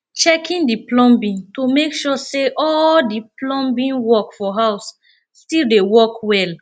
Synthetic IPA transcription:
t͡ʃɛkʰĩndiplɔ̃mbĩntomekʃɔseʔɔldiplɔ̃mbĩnwɔkfɔɦaʊsː | tildewɔkwɛl

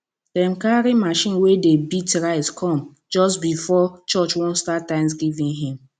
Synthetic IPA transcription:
d̥ɛ̃mkaɾimaʃĩnwedebitɹaɪskʰɔ̃m | d͡ʒɔsbifɔt͡ʃɔt͡ʃwɔ̃nstatːãɪ̃ms̬ɡivĩnɦĩm

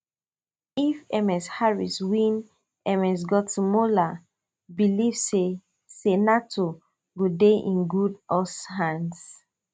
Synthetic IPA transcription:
ifɛmɛshaɹiswĩn | ɛmɛs̬ɡɔtʰumola | bilivse | senatʰo | ɡodeʔḭ̃nɡudɔshãns

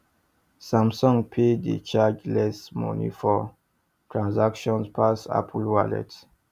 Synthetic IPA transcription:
sãmsɔ̃ŋpʰedḭt͡ʃad͡ʒlɛsmɔ̰nḭfɔ | tʰɹãnzakʃɔ̃nspʰasa̰pʰlwalɛ̰t

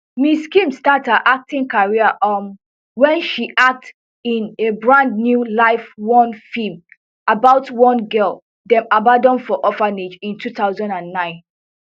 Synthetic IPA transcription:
miskĩmstataʔak̚tĩŋkaɹiəʔɔm | wɛ̃nʃiʔak̚t | ĩnebɹãndnjulaɪfwɔ̃nfim | abaʊtwɔ̃nɡɜlˠ | dɛ̃mabadɔ̃nfɔʔɔfaned͡ʒĩntʰuθaʊzɔ̃ndãnːãɪ̃n

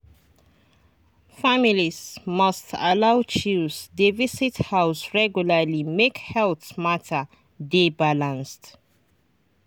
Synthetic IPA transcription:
familizmʌstʰalawt͡ʃisd̪evisithaʊsɹɛɡjuləlimekhɛlθmatʰə | debalãnst

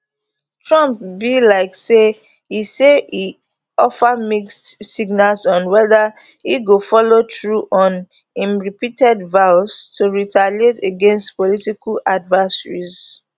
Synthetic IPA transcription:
tʰɹɔ̃mp̚bilaɪkse | isei | ɔfamikstsiɡnalsɔ̃nwɛðə | hiɡofɔlotɹuʔɔ̃n | ĩmɹipitʰɛdvaʊstʰuɹitʰaleteɡɛ̃nstpɔlitikaladvɛsəɹḭz

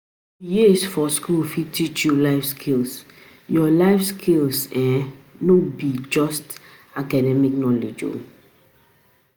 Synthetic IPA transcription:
jisfɔskulfitit͡ʃjulaɪfskʰils | jɔlaɪfskʰilsɛ̃nobid͡ʒɔst | akadɛmiknɔled͡ʒo̰

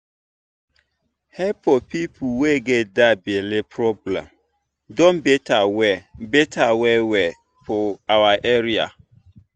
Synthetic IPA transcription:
hɛpɔpipʰuwɛɡɛdabɛlɪpʰɾɔblɛ̰̃m | dɔ̃nbetawɛbetʰawɛwɛ | pʰɔawaʔɛɾia̰

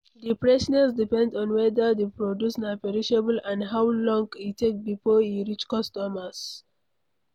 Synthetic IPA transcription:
dipɹɛsnasdipɛ̃ndɔ̃nwɛdədepɹɔdjusnapɛɹiʃabəlãndɦawlɔ̃ŋɡitʰːek̚bifoĩɹit͡ʃkɔstɔməs

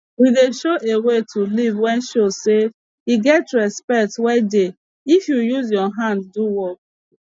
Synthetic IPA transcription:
wideʃoʔewetʰulivwɛ̃nʃose | iɡɛtɹɛspɛk̚twɛde | ifjujuzjɔɦãndːuwɔk̚

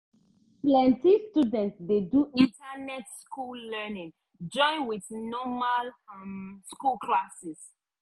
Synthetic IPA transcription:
plɛ̃ntistudɛ̃ntsdeduʔĩntʰanɛtskulːɛnĩŋ | d͡ʒɔ̃ɪ̃nwiθnɔmalmskulklasis

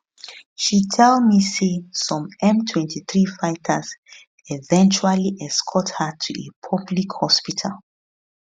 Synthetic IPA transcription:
ʃitʰɛldmisesɔ̃mɛ̃mtʰwɛ̃ntʰiθɹifaɪtʰəs | ɛvɛ̃nt͡ʃualiʔɛskʰɔthətʰuepʰɔblikhɔspitʰa̰lˠ

